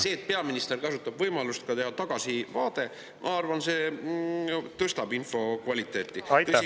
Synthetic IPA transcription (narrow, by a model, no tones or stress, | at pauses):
se̞ːt̪̚ˑpeɑminist̪e̞rkɑsut̪ːˑɑb̥vɤjmɑlust̪̚kɑt̪e̞ɦɑt̪ɑɡ̥ɑsivɑːd̪̥e̞ | mʔɑ̰ɑrvɑnse̞ | t̪ɤst̪ɑbinfo̞kvɑlʲit̪ːˑe̞ːt̪ˑːit̪ːsi